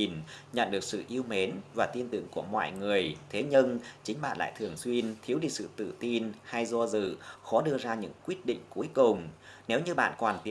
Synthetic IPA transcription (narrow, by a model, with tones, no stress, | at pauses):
nɲə̰˧˨nɗɨ˨˩ək̚sɨ̰˧˨ʔi˧əwme˨˦nvaː˨˩t̪i˧ənt̪ɨ̰˧˨əŋku˧˩əmɔ̰ː˧˨jŋɨ˨˩əjt̪ʰe˨˦ɲə˧nt͡ɕï˨˦ŋ̟ɓa̰ː˧˨nla̰ː˧˨jt̪ʰɨ˨˩əŋswi˧ənt̪ʰi˨˦wɗi˧˩sɨ̰˧˨t̪ɨ̰˧˨t̪i˧nha˧jzo˧zɨ̰˧˨xɔ˨˦ɗɨ˧əzaː˧ɲɨ̰˧˥ŋkwi˦˥ət̚ɗḭ̈˧˨ŋ̟ku˨˦əjkʊ˨˩ŋ͡mne˨˦wɲɨ˧ɓa̰ː˧˨nkwaː˨˩nt̪i˨˦